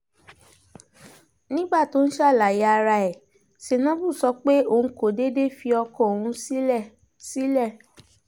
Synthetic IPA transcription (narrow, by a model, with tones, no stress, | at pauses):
nĩ˦ɡ͡ba˦˨to˦n̩˦ʃa˦˨la˨ja˧a˧ɾa˧ɛ˨ | se˨nã˨˦bu˦˨sɔ˨˧k͡pe˦õ˦˨˦ko˨de˦de˦fi˧˦ɔ˧kɔ̃˦˨o˨hũ˧˦˨ | si˦lɛ˦˨